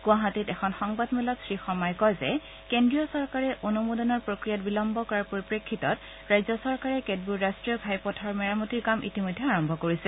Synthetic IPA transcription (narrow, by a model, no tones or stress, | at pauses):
ɡ̥ũaɦatitɛxʰɔnxɔŋbadmɛlɔtsɹixɔmɔjkɔjzɛ̰ | kendɹijɔsɔɹkaɹɛʔonumodɔnɔɹpɹokɹijatbilɔmbɔkɔɹaɹpoɹipɹekʰːitɔt | ɹajzɔsɔɹkaɹɛkedbuɹːastɹijɔbʱajpɔtʰaɹmɛɹamotiɹkamʔḭtimojdʱːɛaɹɔmbʱɔkoɹisɛ